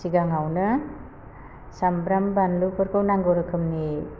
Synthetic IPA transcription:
siɡaŋawnɯ | sambɾambanlukʰɯɾkʰɯwnaŋɡowɾɯkʰɯmni

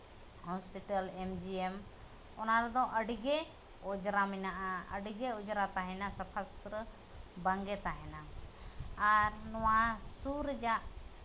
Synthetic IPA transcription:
hɔspiʈəlemd͡ʒiem | ɔnaɾɛd̪ɔ̃ʔəɖɡɛ | ɔd͡ʒɾamɛnaʔaə̰ɖɡɛɔd͡ʒɾat̪aɦɛnasəpʰast̪ɾə | baŋɡɛt̪aɦɛnaː | ɾnɔwasuɾd͡ʒaʔ

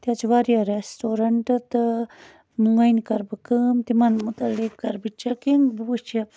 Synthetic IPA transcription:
t̪at͡ʃiʋaɾijaɾesʈoːɾɐɳʈɨt̪ɨ | muŋɡɐjnkɐɾbɨkɨmt̪imɐnmut̪ɐlːikːɐɾbit͡ʃɐkiŋɡbuut͡ʃɐ

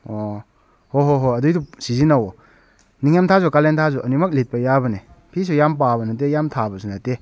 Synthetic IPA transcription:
o | hoɦoɦoɐdujdusizinawɔ | niŋjamtʰazɔkalentʰazuʔɐnimɐk̚let̚pɐjabɐne | pʰis̬ujamp̬abɐnɐt̬ejamtʰabɐsunɐte

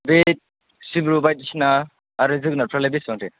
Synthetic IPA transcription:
bet̚ | sibɾubajt̪̚isinaː | ɾɯzɯk̚naɾpʰɾalebisɔŋtʰe

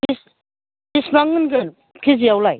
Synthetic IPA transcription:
is | kismaŋɯnɡɯn | kʰiziawlaj

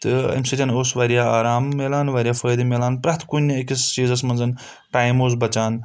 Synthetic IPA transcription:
t̪ɨɐ̰msiɾʲɐnoːsʋaːɾijaːaːɾaːmːeːlaːnʋaːɾʲijaːfəːd̪meːlaːnpɾɐt̪ʰkunʲːaikʲist͡ʃiːzɐsmɐnzɐn | ʈaːjmoːzbɐt͡ʃaːn

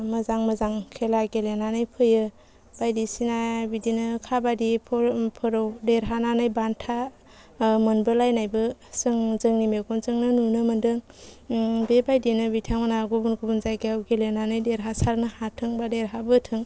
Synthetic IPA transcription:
məzaŋmɯzaŋkʰelaɡelenanɯjpʰɯjɯ | b̥ajdisinabidinɯkʰabadipʰpʰɯɾɔwdeɾɦananajbantʰa | mɯnbɯlajnajbɯsɯŋzɯŋnimeɡɔnzɯŋnɯnunɯmɯndɯŋ | bebajdinɯbitʰaŋmanaɡubunɡubunzajɡeawɡelenanɯjdeɾɦasaɾnɯhatʰɯŋbadeɾɦabɯtʰɯŋ

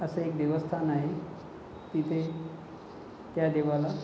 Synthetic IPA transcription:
əsəekd̪eʋəst̪ʰanaɦe | t̪it̪ʰe | t̪jad̪eʋala

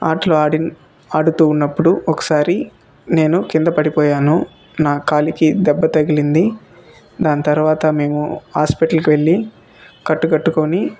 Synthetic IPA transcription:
aːʈloːɽi | aːɽut̪uːnːɐpːuɽuɔkɐ̥saːɾi | ne̞ːnukind̪ɐpɐɽipɔːjaːnu | naːkaːlikid̪ɛbːɐt̪ɐɡilind̪i | d̪aːnɐt̪ɐɾuʋaːt̪ɐme̞ːmuhaːspiʈɐlkiʋe̞ɭːi | kɐʈːuɡɐʈːukoːni

